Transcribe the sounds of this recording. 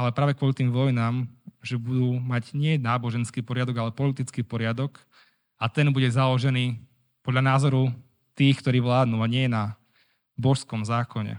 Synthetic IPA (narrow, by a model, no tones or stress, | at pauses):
alɛpɾaːʋɛkʋɔlit̪iːmʋɔjnaːmʒɛbud̪uːmaɟɲɪɛnaːbɔʒɛnskiːpɔɾɪad̪ɔɡalɛpɔlit̪it͡skiːpɔɾɪad̪ɔk | at̪ɛnbuɟɛzalɔʒɛniː | pɔd̪ʎanaːzɔɾu | t̪iːxkt̪ɔɾiːʋlaːd̪nuːaɲɪɛjɛna | bɔʃskɔmzaːkɔɲɛ̰